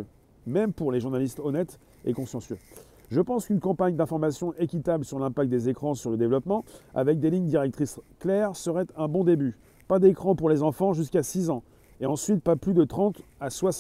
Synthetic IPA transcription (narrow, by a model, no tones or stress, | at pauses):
mɛmpuʁleʒuʁnalist̪ɔnɛt̪ | ḛkɔ̃sɑ̃sjø | ʒəpɑ̃skʲynkɑ̃paɲd̪ɛ̃fɔʁmasjɔ̃ʔekʲit̪ablsyʁlɛ̃pak̚t̪̚d̪ezekχɑ̃syʁləd̪evlɔpmɑ̃a̰vɛk̚d̪eliɲd̪iʁɛk̚t̪χisklɛʁsəʁɛt̪ɛ̃bɔ̃d̪eby | pad̪ekχɑ̃puʁlezɑ̃fɑ̃ʒys̬kasizɑ̃ | eɑ̃sɥit̪̚paplyd̪ət̪χɑ̃t̪aswa